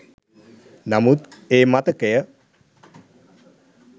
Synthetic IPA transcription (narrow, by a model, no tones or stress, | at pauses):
namut̪eːmat̪əkejə